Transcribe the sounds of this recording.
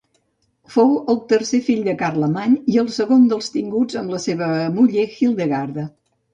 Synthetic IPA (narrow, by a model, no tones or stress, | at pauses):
fowəlˠt̪əɾsefiʎd̪əkarləmaɲiəlˠsəɣond̪əlˠst̪iŋɡud͡zəmləseβ̞əmuʎexilˠd̪əɣaɾðə